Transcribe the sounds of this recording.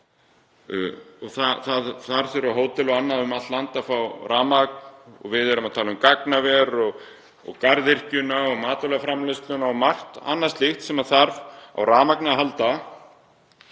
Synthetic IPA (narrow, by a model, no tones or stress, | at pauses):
ɔɣθaθaðθaɾθɛɾʏaɦoːwt̪ɪlɔɣanːaðʏmat̪lant̪afawrʔaːmaknɔ̰ɣvɪðɛɾʏmaðt̪ʰaːlʏmkaknavɛɾɔɣ | ɔ̰ɣkaɾðɪr̥cʏnaɔɣmaːt̪ɔlɛɣafɾamlɪst̪lʏnaɔmar̥t̪a̰nːast̪lɪxt̪sɛmaθaɾva̰wɾaːmaknɪaɦalt̪a